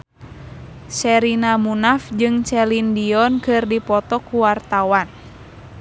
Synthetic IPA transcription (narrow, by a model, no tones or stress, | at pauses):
sɛɾinamunafd͡ʒɨŋt͡ʃɛlindiɔnkɨrdipɔt̪ɔkuwart̪awan